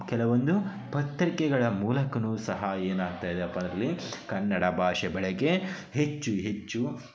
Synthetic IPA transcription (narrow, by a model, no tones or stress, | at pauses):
kɛlɐʋond̪u | pɐt̪ːɾikɛɡɐɭɐmuːlɐkɐnuːsɐɦɐeːnaːɡ̚t̪aːjd̪eɐpːɐnd̪ɾɐlːikɐnːɐɽɐbʱaːʃɛbɛɭɛɡe̞ | ɦet͡ʃːuɦet͡ʃːu